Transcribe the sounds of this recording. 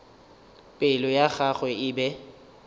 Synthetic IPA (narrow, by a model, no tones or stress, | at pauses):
pʼɪlɔjaɣaɣwɛɪbɛ